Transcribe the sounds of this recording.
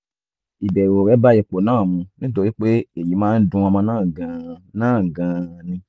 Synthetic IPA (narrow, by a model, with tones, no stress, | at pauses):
i˨bɛ˨ɾo˨ɾɛ˨˦ba˦jɛ˨ko˨nãː˦˨mũ˧nĩ˦to˧˦ɾi˦k͡pe˦e˨ji˨˦mãː˦n̩˦dũ˧ɔ˧mã˧nãː˦˨ɡã˨nãː˦˨ɡã˨nĩ˧